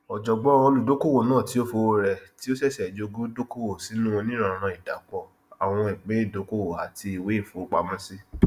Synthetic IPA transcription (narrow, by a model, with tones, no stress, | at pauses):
ɔ˨d͡ʒɔ˨ɡ͡bɔ˨˦o˧lu˨do˨˦ko˦˨wo˦˨nãː˦˨ti˨˦o˦fo˧˦ɾɛ˧ti˦o˦sɛ˦˨sɛ˨d͡ʒo˧ɡũ˦do˦ko˦wo˦˨si˨˦nũ˦ɔ̃˧nĩ˦ɾ̃ã˦˨ɾ̃ã˧i˨da̰˨˦k͡pɔ˦˨ | a˨w̃ɔ̃˧i˨k͡pẽ˨˦i˦˨do˨˦ko˦wo˦˨a˨ti˧i˨we˦i˦˨fo˨˦k͡pa˧˦mɔ̃˦si˦